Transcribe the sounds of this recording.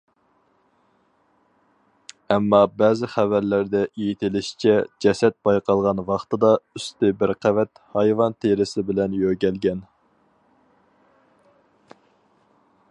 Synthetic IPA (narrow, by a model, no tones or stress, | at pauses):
ɛmːɑbɛːzɪχævæɾlæɾd̪ɛʔejit̪ʰɪlɪʃi̥t͡ʃʰɛd͡ʒɛsɛt̪̚b̥ɑjqɑlˠʁɑnvɑχt̪ɨd̪ɑyst̪ɪbɪɾqʰævɛt̪hɑjvɑnt̪ʰeɾɪsɪbɪlɛnjøɡʲɛlɡʲɛn